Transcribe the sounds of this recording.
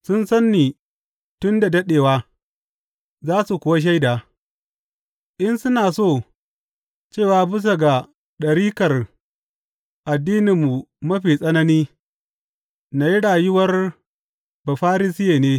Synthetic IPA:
sʊ˦nsɐ˦nːiː˨ | tʊ˦nda˨dɐ˦ɗeː˨waː˦ | zaː˦su˨kʷʊ˨wa˦ʃ̬a˦jdaː˨ | ʔɪ˦nsʊ˦naː˨soː˦˨ | t͡ʃeː˦˨waː˨bɪ˦s̬o˨ɡa˨ | ɗɐ˨ɽiː˦kɐ˨r | ʔa˨dːiː˦nɪ˨mːu˨mɐ˦ɸiː˨sʼɐ˦nɐ˦niː˦ | na˨ji˦ɽaː˨jʊ˦wɐ˦r | ba˨ɸaː˦ɾɪ˦sɪ˦jeː˨neː˦

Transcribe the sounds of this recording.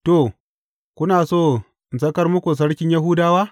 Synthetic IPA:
to˨ | kʷʊ˦naː˨soː˦˨ | ɪ˨nsɐ˦kɐ˦rmʊ˦kʷu˨s̬ɐ˦ɽkʲɪ˦ɲjɐ˦ɦu˦daː˦waː˦

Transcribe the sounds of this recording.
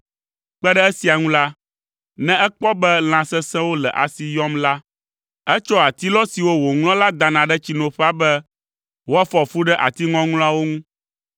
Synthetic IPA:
k͡pɛ˦ɖɛ˦ɛ˦si˨a˨ŋũ˦la˦ | nɛ̃˦ɛ˦k͡pɔ˦bɛ˦l̃ã˨sɛ˦sɛ̃˦wo˦lɛ̰˨ʔa̰˨si˨jɔ˦mla˦ | ɛ˦t͡ʃɔ˦a˨t̪i˦lɔ˦si˨wo˦wo˨ŋl̃ɔ̃˦la˦d̪a˨nã˨ɖɛ˦t͡ɕi˦nõ˨ɸɛ˦a˦bɛ˦ | wo˦a˦fɔ˨fu˦ɖɛ˦ʔa̰˨t̪i˦ŋɔ̃˦ŋlɔ̃˦a˦wo˦ŋũ˦

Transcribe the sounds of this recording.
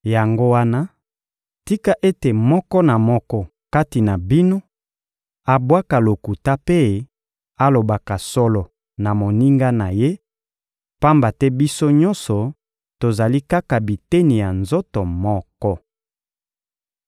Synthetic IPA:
ja˨ŋɡo˦wa˦na˦ | ti˦ka˦ʔe˦te˨mɔ˦kɔ˦na˨mɔ˦kɔ˦ | ka˦ti˨na˨bi˦no˦ | a˨bwa˦ka˨lo˨ku˨ta˦pe˦˨ | a˦lo˨ba˨ka˨sɔ˦lɔ˨ | na˨mo˨ni˦ŋɡa˦na˨je˦ | pa˦mba˨tɛ˦bi˦so˦ɲɔ̃˦nsɔ˨ | to˨za˨li˦ka˦ka˨bi˨te˦ni˨ja˨nzo˦tɔ˨mɔ˦kɔ˦

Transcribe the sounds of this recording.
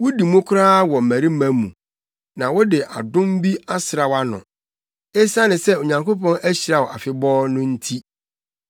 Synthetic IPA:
wʊ˦di˨mʊ̃˦kʷʰʊ˦ɾaː˦wɔ˨m˨mæ˨ɾi˦mæ̃˨˦mṵ̃˨ | nã˨wɔ˦dɪ˨ʔa̰˨dʊ̃˦m˦bi˦a˦sɪ˨ɾa˨wa˦nʊ̰̃˨ | e˦sa˦nɪ̃˨sɛ˦o˨ɲã˨ŋko˦pɔ̃˦næ˦ɕi˨ɾa˨wɔ˨a˨fɪ˨bɔː˦nʊ̃˦n̩˦tʰi˦

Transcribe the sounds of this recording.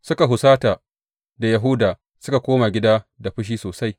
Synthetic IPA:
sʊ˦ka˨ɦʊ˨saː˦taː˨ | da˨jɐ˨ɦʊ˦daː˨ | sʊ˦ka˨kʷoː˦ma˨ɡʲɪ˦daː˦da˨ɸʊ˦ʃ̬iː˦soː˨sa˦j

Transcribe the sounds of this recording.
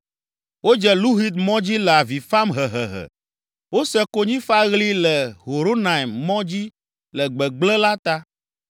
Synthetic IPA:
wo˦d͡ʒɛ˨lu˦ɦi˦d̪mɔ̃˦d͡ʑi˦lɛ˨a˨vi˨fa˦mɦɛ˨ɦɛ˨ɦɛ̰˨ | wo˦sɛ˦ko˦ɲĩ˦fa˦ɣli˦lɛ˨ɦo˨ɾo˦na˨i˨mmɔ̃˦d͡ʑi˦ | lɛ˨ɡ͡bɛ˨ɡ͡blɛ̃˦la˦t̪a˦

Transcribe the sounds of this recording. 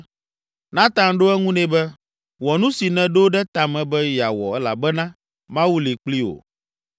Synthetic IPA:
nã˦t̪ã˦ŋɖo˦ɛ˦ŋũ˦nɛ̃˨bɛ˦ | wɔ˨nũ˦si˨nɛ̃˨ɖo˦ɖɛ˦t̪a˨mɛ̃˨bɛ˦ja˨wɔ̰˨ɛ˦la̰˨bɛ˦nã˦ | mã˦wu˦li˨k͡pli˦o̰˨

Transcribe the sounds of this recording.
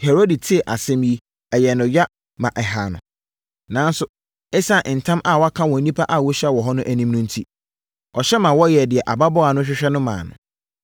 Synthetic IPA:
he˨ɾo˦di˨tʰɪ˦ɛ˨ʔa˨sɛ̃˦mji˦ | ɛ˨jɛ˨nʊ̃˨ɥa˦ | mã˨ʔɛ˨ɦa˨nʊ̰̃˨ | nãː˨˦n˦sʊ˦ | e˦sa˦˨ʔn̩˨tʰã˦mʔa˦˨wɔ˦a˦kʰã˦wɔ̃˨nĩ˦pʰa˦ʔa˦˨wɔ˦ɕɛ˦wɔ˨ɦɔ˦nʊ̃˦ʔæ˨nĩ˦mnʊ̃˦n̩˦tʰi˦ | ɔ˨ɕɛ˦mã˨wɔ˦jɛ˨dɪ˨ɛ˨ʔa˨ba˦bɔ˦a˨nʊ̃˦ɕᶣɪ˦ɕᶣɛ˦nʊ̃˦mã̰ː˨nʊ̰̃˨

